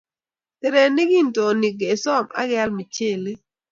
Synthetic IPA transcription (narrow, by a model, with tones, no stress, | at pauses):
te˨ɾe˨ni˦ɡi˦nto˨ni˨ɡe˨sɔ˦˨ma̰˦ɡɛ˦lmi˨t͡ʃe˦˨li˦